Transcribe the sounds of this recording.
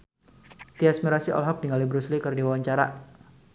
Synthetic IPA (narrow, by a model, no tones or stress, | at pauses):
t̪iasmiɾasiʔɔ̰lɦɔp̚diŋalibɾuslikərdiwawaɲt͡ʃaɾa̰